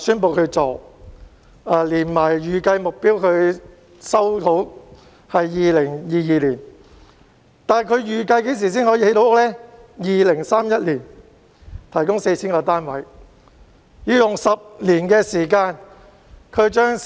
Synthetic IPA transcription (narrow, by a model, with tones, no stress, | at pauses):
syː˥npo˨wkʰɵ˨˧ɥt͡so˨˩ | aː˧liː˨˩nmaː˨˩jjyː˨kɐ˧jmʊ˨k̚piː˥wkʰɵ˨˧ɥ | sɐ˥wt̪ʰo˨˥w | hɐ˨jːiː˨lɪ˨˩ŋjiː˨˧jiː˨˧liː˨˩n | t̪aː˨nkʰɵ˨˧ɥjyː˨˩kɐ˧jke˨˥js̬iː˨˩siː˥ŋhɔː˨˥jiː˧he˨˥jt̪o˨˥wʊ˥lɛː˥jiː˨lɪ˨˩ŋsaː˥mjɐ˥t̚liː˨˩n | t̪ʰɐ˨˩jkʊ˥ŋse˧jt͡sʰiː˥ŋkɔː˧t̪aː˥nwɐ˨˥j | jiː˨˧jʊ˨ŋsɐ˨p̚liː˨˩nkɛː˧siː˨˩kaː˧n | kʰɵ˨˧ɥt͡ʃœː˥ŋ